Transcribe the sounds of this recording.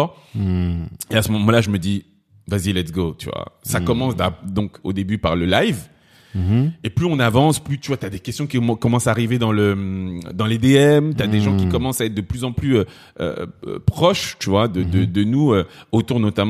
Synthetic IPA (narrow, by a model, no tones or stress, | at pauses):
ɔ | easəmɔmɑ̃laʒəməd̪i | vazilɛt̪ɡot̪y̰vwa̰sakɔmɑ̃sd̪ad̪ɔ̃ko̰d̪ebypaʁləlajv | eplyɔ̃navɑ̃splyt̪yvwat̪yad̪ekʲɛst̪jɔ̃kʲikɔmɑ̃saːʁived̪ɑ̃ləmd̪ɑ̃led̪eɛmt̪yad̪eʒɑ̃kʲikɔmɑ̃saɛt̪χ̚d̪əplyzɑ̃plyø | ø̰pχɔʃt̪yvwad̪əd̪əd̪ənuøot̪uʁnɔt̪am̃